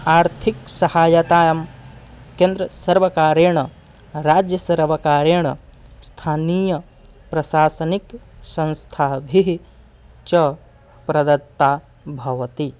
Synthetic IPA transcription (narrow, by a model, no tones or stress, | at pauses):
aːɾt̪ʰiksɐhaːjɐt̪aːjɐm | keːnd̪ɾɐsɐɾʋɐkaːɾeːɳɐ | ɾaːd͡ʒjɐsɐɾʋɐkaːɾeːɳɐst̪ʰaːniːjɐ | pɾɐʃaːsɐniksɐ̃ñst̪ʰaːbʱiɦi | t͡ʃɐ | pɾɐd̪ɐt̪ːaː | bʱɐʋɐt̪i